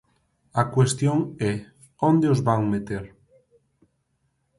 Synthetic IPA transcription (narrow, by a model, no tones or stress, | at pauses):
akwest̪joŋe | õnd̪eozβaŋmet̪eɾ